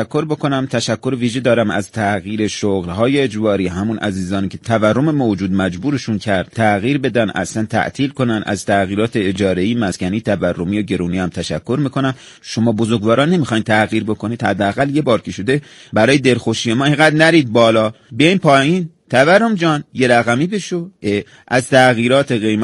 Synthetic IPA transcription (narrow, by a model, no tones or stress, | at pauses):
kʰːoɾbo̞kʰo̞næmt̪ʰæʃækːo̞ɾeviːʒed̪ɒːɾæmæ̰zt̪ʰæɣiːɾe̞ʃoɣlɦɒːjeːd͡ʒbɒːɾiːɦæmunʔæ̰ziːzɒːniːcʰet̪ʰæværːomemod͡ʒuːd̪mæd͡ʒbuːɾeʃuncʰæɾd̪̥̚t̪ʰæɣiːɾbe̞d̪ænʔæ̰slænt̪ʰæ̰ʔt̪ʰiːlko̞nænʔæ̰z̥t̪ʰæɣiːɾɒːt̪ʰeed͡ʒɒːɾeiːmæscʲænit̪ʰæværːomiːjoɟe̞ɾuːniːæmt̪ʰæʃækʰːo̞ɾmiːkʰonæm | ʃo̞mɒːbozoɾɡvɒːɾɒːnːe̞miːxɒːjnt̪ʰæɣiːɾbo̞kʰoniːd̪hæd̪ːeæɣælje̞bɒːɾkʰʲeʃod̪e̞ | bæɾɒːjed̪e̞lxoʃiːjemɒːeŋɡæd̪næɾiːd̪̚bɒːlɒː | beiːnpʰɒːjiːn | t̪ʰæværːo̞md͡ʒɒːnje̞ɾæɣæmiːbeʃoe | ʔæzt̪ʰæɣiːɾɒːt̪ʰeɣe̞jm